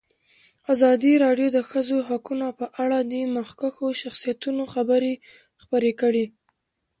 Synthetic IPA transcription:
azɑd̪iɾɑɖjod̪əxəzoɦakunapəʔaɽad̪emaxkaxoʃaxsijat̪unoxabəɾe | xpəɾekəɽi

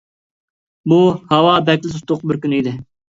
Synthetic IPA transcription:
buhɑwɑbɛkʲlɪs̬ut̪ʊqbɪɾkʲynid̪ɪ

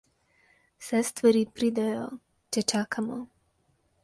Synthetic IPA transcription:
sɛst̪vəɾipɾid̪ajo | t͡ʃɛt͡ʃakʰamɔ

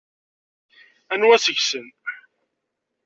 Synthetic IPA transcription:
ænwæsəʝsən

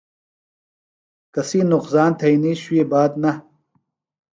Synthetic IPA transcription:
kɐsiːnuqsaːnt̪ʰɐiniːɕuebaːd̪nɐ

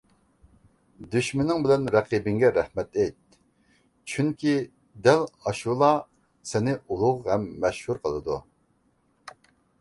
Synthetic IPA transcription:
d̪yʃmɪnɪŋbɪlɛnɾɛqibɪŋɡʲɛɾɛhmɛt̪ɛjt̪̚ | t͡ʃʰyŋkʲʰi | d̪ɛlɑʃulˠɑ | sɪnɪʔulˠʊʁɦɛmːɛʃhuɾqʰəlˠɨd̪ṵ

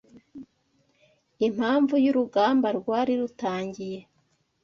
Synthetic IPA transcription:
im̥haːɱvujuɾuɡaːmbaɾɡwaːɾiɾutaːɲɟije̞

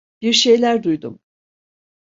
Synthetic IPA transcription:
b̥iɾʃe̞jlʲæɾd̪ujd̪ṵm

